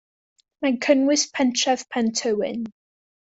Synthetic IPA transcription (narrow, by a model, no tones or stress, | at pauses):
makʰənwɪspʰãntʰɹɛv̥pʰãntʰəɪ̰̃n